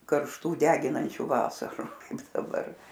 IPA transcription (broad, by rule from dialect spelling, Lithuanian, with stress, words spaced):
kɐrʃˈtuː ˈdʲæːɡʲɪnɐnʲt͡ʃʲuː ˈʋɑːsɐrʊ ˈkɐɪp dɐˈbɐr